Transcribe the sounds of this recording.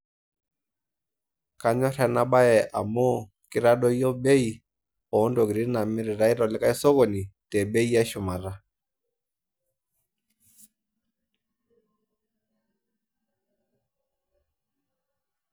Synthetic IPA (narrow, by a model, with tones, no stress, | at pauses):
ka˦ɲɔ˦ɾɛ˦na˦ɓa˦ɛ˨ʔa̰˨mɔ˦ | kɪ˦ɾa˦ɗɔ˦jɔ˦be˦i˨ | ɔ˨˦ndo˨kɪ˨ɾɪ˦na˨mɪ˦ɾɪ˨ɾa˨˦ɪ˦ɾɔ˨lɪ˦ka˦i˦sɔ˦ɣo˨ni˨tɛ˨be˦i˦a˦ʃʊ˨ma˨ɾa˦